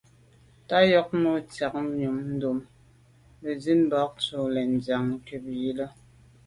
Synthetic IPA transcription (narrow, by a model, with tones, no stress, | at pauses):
ta˦jɔ˦k̚nu˦t͡sja˨k̚ɲu˨mn̩˦du˨m | bə˨zi˦n˦bɔ˨˦k̚tu˨lɛ˨n̩˨d͡zja˨ŋ˨ke˨p̚ji˦lə˦